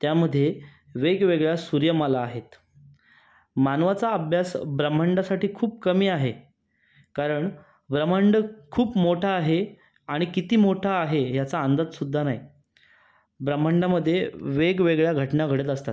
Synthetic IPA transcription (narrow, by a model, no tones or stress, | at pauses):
t̪jaməd̪ʱːje | ʋeɡʋeɡɭjasuɾjəməlaːɦet̪ | manʋat͡saəbʱjasbɾəm̤əɳɖasaʈiːkʰuːp̚kəmiːaɦe | kaɾəɳ | bɾəm̤əɳɖəkʰuːpmoʈʰaːɦe | aɽ̃ikit̪iːmoʈʰaːɦeɦjat͡saːnd̪ad̪sud̪ʱːanaj | bɾəm̤ːəɳɖaməd̪ʱːjeʋeɡʋeɡɭjaɡʱəʈnaɡʱəɽət̪əst̪at̪